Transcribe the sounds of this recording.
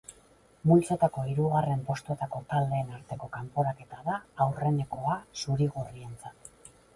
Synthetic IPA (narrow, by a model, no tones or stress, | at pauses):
mult͡sot̪ako̞iɾuɣare̞mpo̞st̪uet̪ako̞t̪ald̪e̞ːnaɾt̪e̞ko̞kampo̞ɾake̞t̪aðaːwre̞ne̞ko̞asuɾiɣ̞urie̞nt͡sat̪